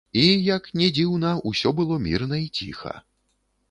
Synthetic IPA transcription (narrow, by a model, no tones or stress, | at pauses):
ijɐknʲɛd͡zʲiwnɐusʲɔbɨlˠɔmʲḭrnɐit͡sʲḭxɐ̰